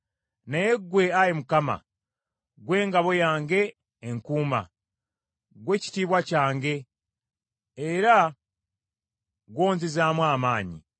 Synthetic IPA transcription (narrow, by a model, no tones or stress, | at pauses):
naje̞ɡwe̞ajimukama̰ | ɡwe̞ːŋɡaβo̞jaːŋɡe̞ː | ŋkuːma̰ | ɡwe̞ːci̥tiːβwacaːŋɡe̞ | ɾa | ɡwo̞ːnzizaːmwaːmaːɲḭ